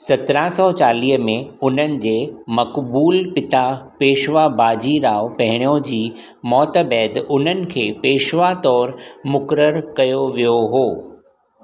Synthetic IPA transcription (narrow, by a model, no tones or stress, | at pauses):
sɐt̪ɾasɔːt͡ɕaːliːɦəmẽʊn̤ənɪ̆d͡ʑeːmɐkbuːlpɪt̪apeːʃʋabaːd͡ʑiɾaːʋpɐɦɪɽ̃ijõd͡ʑiː | mɔːt̪əbɛːd̪ʊn̤ənɪ̆kʰeːpeːʃʋat̪ɔːɾmʊkɾəɾkɐjoʋijoɦoː